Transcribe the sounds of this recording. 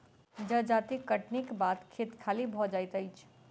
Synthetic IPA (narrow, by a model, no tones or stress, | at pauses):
d͡ʒəd͡ʒat̪ikəʈnikbat̪kʰet̪kʰalibʱɔd͡ʒajt̪əjt͡ʃʰ